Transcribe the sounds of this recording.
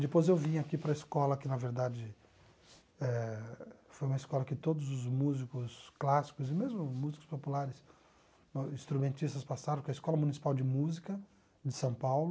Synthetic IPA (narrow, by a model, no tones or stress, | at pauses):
d̪ɪpojzewvĩɐkipɾɐeskɔlɐkɪnɐveɾd̪ad͡ʒɪ | ɛ | fojũmɐeskɔlɐkɪt̪od̪ʊzʊzmuzikʊsklasi̥kʊzɪmezmʊmuzikʊ̥spopulaɾɪs | ĩst̪ɾumẽnt͡ʃist̪ɐspasad̪ɐ̃kɐeskɔlɐmunisi̥pawd͡ʒɪmuzikɐ | d͡ʒɪsɐ̃w̃pawlʊ